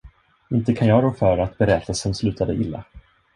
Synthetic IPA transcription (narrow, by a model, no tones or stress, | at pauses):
ɪnt̪əkʰanjɑːɡɾɔfœɾat̪bɛɾɛt̪asɔmslʉ̟ːt̪ʰad̪əʔɪlːa̰